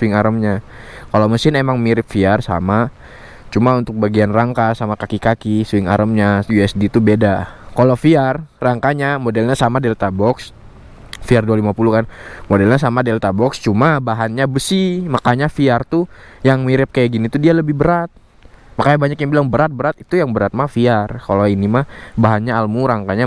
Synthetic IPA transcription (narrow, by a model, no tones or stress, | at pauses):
ɪŋaɾəmɲakalawməsɪnemaŋmiɾɪp̚fiarsa̰ma | t͡ʃumaunt̪ʊk̚baɡianraŋkasamakakikakisuwɪŋa̰ɾʔəmɲajuɛsdit̪ubedakalafiarraŋkaɲamodɛlɲasamadɛlt̪abɔks | fiardualimapulukanmodɛlɲasamadɛlt̪abɔkst͡ʃumabaɦanɲabəsimakaɲafiart̪ujaŋmiɾɪp̚kajaɡinit̪udialəbɪhbəɾat̪̚ | makaɲabaɲakjaŋbilaŋbəɾat̪̚bəɾat̪̚it̪ujaŋbəɾat̪̚mafiarkaloinimabaɦanɲaːlmuɾaŋkaɲa